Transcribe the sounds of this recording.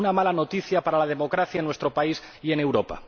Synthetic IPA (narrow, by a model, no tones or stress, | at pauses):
namalano̞t̪iθjapaɾalað̞e̞mo̞kɾaθjaenwe̞st̪ɾo̞pais | ie̞ne̞wɾopa̰